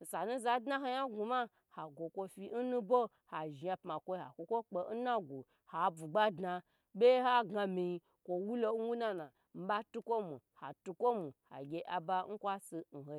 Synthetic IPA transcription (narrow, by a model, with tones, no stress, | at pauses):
n̩˨sa˨nu˦za˧dna˦ɦa˧ja˦ɡu˨ma˦ | ha˨ɡʷo˨kʷo˧fi˦n̩˦nũ˦bo˦ | ha˨ʒa˧pma˨kʷo˦ha̰˨kʷo˧kʷo˦k͡pe˨n̩˦na˦ɡʷo˨ | ha˨bu˨ɡ͡ba˦dna˧ | bʲe˦ha˦ɡa˧mi˧ji˧ | kʷo˨wu˦lo˧˦n̩˦wu˦na˦na˨ | m̩˨˦ba˦tu˦kʷo˦mu˨ha̰˨tu˧kʷo˦mu˨ha̰˨ɡʲe˦ʔa˨ba˦ŋ̩˦kʷa˦si˧n̩˨ho˨